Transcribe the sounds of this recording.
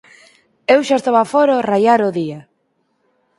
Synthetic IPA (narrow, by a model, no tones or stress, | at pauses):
ewʃast̪oβafoɾorajaɾoðia